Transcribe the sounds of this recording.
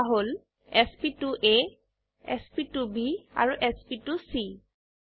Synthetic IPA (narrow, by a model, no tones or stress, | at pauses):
ɦol | ɛspituʔe | ɛ̰spitubia̰ɹuʔɛspitusi